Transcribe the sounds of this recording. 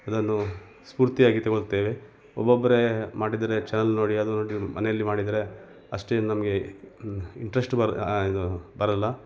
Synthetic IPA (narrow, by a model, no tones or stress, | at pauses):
ɐd̪ɐnːu | spuːɾt̪ijaːɡit̪eɡoɭt̪eːʋe̞ | ɔbːobːɐɾemaːɽid̪ɐɾe̞t͡ʃɛnɐlno̞ːɽiɐd̪unoːɽimɐ̰nejɐlːimaːɽid̪ɐɾe̞ | ɐʂʈennɐmɐɡe̞ | iɳʈɾesʈd̪ubɐɾɐlːɐ